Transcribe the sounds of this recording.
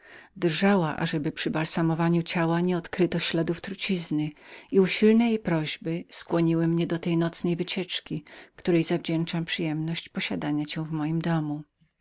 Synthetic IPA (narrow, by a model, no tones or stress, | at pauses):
d̪rʐawaʔa̰ʐɛbɘpʂɘbalsamɔvaɲut͡ɕawaɲɛɔt̪kɾɘt̪ɔɕlad̪uft̪ɾut͡ɕiznɘiuɕilnɛjejpɾɔʑbɘskwɔɲiwɘmɲɛd̪ɔt̪ɛjnɔt̪snɛjvɘt͡ɕɛt͡ʂkʲikt̪uɾɛjzavd͡ʑɛnt͡ʂampʂɘjɛmnɔɕt͡ɕpɔɕad̪aɲat͡ɕɛw̃vmɔjimd̪ɔmu